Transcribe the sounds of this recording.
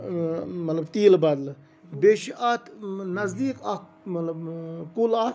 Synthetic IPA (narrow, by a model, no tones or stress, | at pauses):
mɐt̪lɐbt̪iːlbad̪l | beʃiʔat̪nɐzd̪iːkɐ | mɐt̪lɐbkula